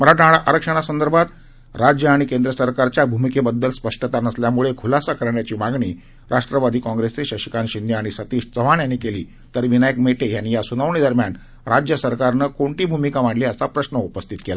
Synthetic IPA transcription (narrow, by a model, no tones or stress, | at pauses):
məɾaʈaɽaʔaɾəkʂəɽ̃asənd̪əɾbʱat̪ | ɾad͡ʑjəaɽ̃ikend̪ɾəsəɾkaɾt͡ɕjabʱumikebəd̪ːəlspəʂʈət̪anəsljamuɭekʰulasakəɾɳjat͡ɕiːmaɡɳiː | ɾʔaʂʈɾəʋad̪ʱiːkɔ̃ŋɡɾest͡seɕəɕi̥kanɕind̪jəaɽ̃isət̪iːʂt͡səʋaɳjanːiːkelḭː | t̪əɾʋinajəkmeʈejanːijasunəʋɳid̪əɾmjan | ɾad͡ʑjəsəɾkaɾnəkoɳʈiːbʱumikamaɽliːəsapɾəɕnəupəst̪ʰit̪kela